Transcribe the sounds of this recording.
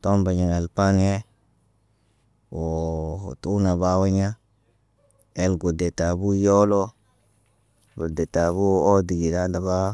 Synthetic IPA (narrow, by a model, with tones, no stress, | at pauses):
to˦mba˨ɲi˨ŋa˨lpa˦n˦e˦ | wo˨tu˦na˨ba˦wa˦ɲa˦ | e˦lɡo˨de˨ta˨bu˦jo˦lo˦ | ɡo˨de˨ta˨βu˦o˦di˨ɡi˨da˦da˨βa˦